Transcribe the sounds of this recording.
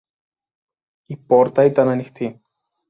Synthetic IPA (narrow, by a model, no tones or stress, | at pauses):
ipoɾt̪ɐit̪ɐnɐnixt̪i